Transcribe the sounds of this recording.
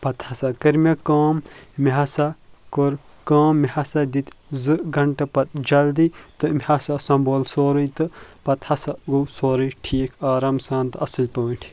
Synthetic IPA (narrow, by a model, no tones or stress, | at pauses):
pɐt̪hɐsakɐɾmʲekaːmmiɦɐsakoɾ | kaːmːihɐsad̪it̪zɨɡɐɳʈɐpɐt̪̚d͡ʒɐld̪it̪ɨmʲhɐsasɐ̃mboːlsoːɾɨjt̪ɨpɐt̪hɐsaɡowsoːɾɨjʈʰiːkʰaːɾaːmsãːnt̪ɨɐsɨlʲpɐːʈʰ